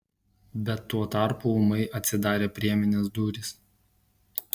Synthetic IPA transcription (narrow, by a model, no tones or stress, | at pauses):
bʲɛt̪ːuɔt̪ɑˑɾpuʊmɐɪʔɐt̪ʲsʲɪd̪ɑːɾʲeːpʲɾʲiɛmʲɪnʲɪsd̪uːɾʲɪs